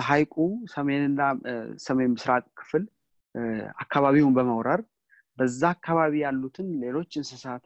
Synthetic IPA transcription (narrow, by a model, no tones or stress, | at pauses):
ɦajkʼusəmenɨnːasəmejmɨsɾak̪ʼkʰɨ̥fl | a̰kːaβaβiwunbəməwɾəɾ | bəzːaːkʰːaβaβijalːut̪ʰɨnle̞lo̞t͡ʃːɨnsɨsat̪